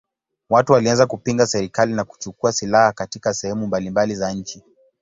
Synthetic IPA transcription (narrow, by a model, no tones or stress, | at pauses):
watuwalianzakupiŋɡasɛɾikalinaku̥t͡ʃukuasilahakatikasɛhɛmumbalimbalizaɲ̩t͡ʃi